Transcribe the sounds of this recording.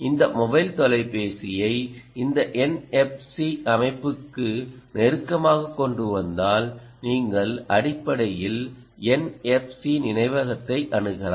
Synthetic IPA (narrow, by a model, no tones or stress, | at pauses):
ɪnd̪ɐmɔbɐɪlt̪ɔlɐɪpeːsɪjɐɪɪnd̪ɐʔɛnɛp̚siʔɐmɐɪpːɯkːɯnɛɾɯkːɐmaːɣɐkːɔɳɖɯʋɐnd̪aːl | niːŋɡɐɭɐɽɪpːɐɽɐjɪl | ɛnɛp̚sinɪnɐɪʋɐɣɐt̪ːɐɪʔɐɳɯɣɐla̰ː